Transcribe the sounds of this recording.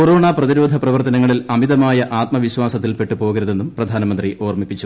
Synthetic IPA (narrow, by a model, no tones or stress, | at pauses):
koɾo̞ːɳaːprɐðiɾoːd̪ʱɐprɐʋɐrt̪ɐnɐŋːɐɭilɐmiðɐmaːjɐʔaːt̪̚mɐʋiɕʋaːsɐt̪̬ːilpe̞ʈːupo̞ːɣɐɾuðe̞nːumprɐd̪ʱaːnɐmɐnd̪riʔo̞ːrmipːit͡ɕːu